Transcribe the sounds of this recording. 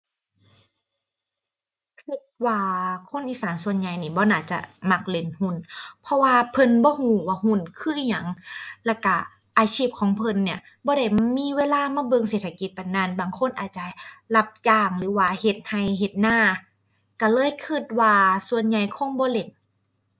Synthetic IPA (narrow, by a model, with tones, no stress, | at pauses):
kʰɯ˧t̪̚waː˧kʰo˧˥˨nʔiː˧˥saː˨˦nsu˧ənɲa˧˨jniː˧˩bɔː˧˦naː˧˩t͡ɕa̰˧ma˧˩k̚le˧˩nhu˧˥˨npʰɔ˧waː˧pʰɤ˧˥˨nbɔː˧˦huː˧˩waː˧hu˧˥˨nkʰɯː˧˥˨ɲa˨˦ŋlɛː˧˩ka˧˩ | ʔaː˧sʰiː˧˥˩p̚kʰɔː˨˦ŋpʰɤ˧˨nːi˧˩ɐ | bɔː˧˦ɾa˧˩jmiː˧˥˨weː˧˥˨laː˧˥˨maː˧˥˨bɤ˧˨ŋseː˧˨˩t̪ʰːa˧ki˧˦t̪̚ka˨nːaː˧˥˨nbaː˨ŋkʰo˧˥˨nʔaː˨˩t̪̚t͡ɕa˧la˧p̚jaː˧ŋlɯː˨˦waː˧he˧˦t̪̚ha˧˩jɦe˧˦t̪̚naː˧˥˩ | ka˧˩lɤː˧˥˨jkʰɯ˧˥˨t̪̚waː˧su˧ənɲa˧˩jkʰɔ˧˥˨nbɔː˧˦le˧˩n